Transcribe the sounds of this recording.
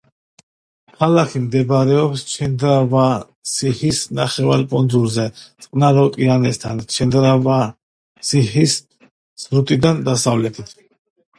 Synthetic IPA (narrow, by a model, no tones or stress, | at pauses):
kʰalakʰimd̪ɛbɾɛɔpst͡ʃʰɛnd̪ɾava | sihisnaχɛva̰ɾpʼɔnd̪zulzɛt̪sʼqʼnaɾɔk̪ʼianɛst̪ʰant͡ʃʰɛnd̪ɾava | sihis | z̥ɾut̪ʼid̪and̪asavlɛt̪ʰit̪ʰ